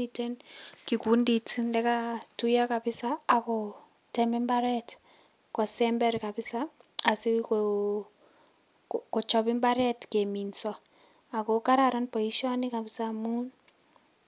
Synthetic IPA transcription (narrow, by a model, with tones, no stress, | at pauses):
ite˦nki˨ku˨˦nditi˦ndɛ˦katu˦ja˦ka˨bɪ˦saː˦kɔ | tɛmbɛ˦mbaɾɛt | kɔ˨sɛmbɛ˦ɾkabɪ˦saː˨si˦k | kɔ˨t͡ʃɔbɪmbaɾɛtke˨minsɔ | a˨kɔka˦ɾaɾɔnpɔ˨i˦ʃɔ˦ni˦ka˨bɪ˨samu˦n